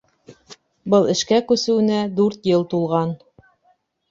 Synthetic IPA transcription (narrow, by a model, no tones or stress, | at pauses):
bɤlˠɘ̆ʃkækʉsɘ̆wɘ̆næd̪ʉɾt̪jɤlˠt̪ulˠʁɑn